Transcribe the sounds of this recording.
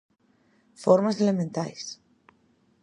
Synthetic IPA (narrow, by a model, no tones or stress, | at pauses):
foɾmaselemẽnt̪ajs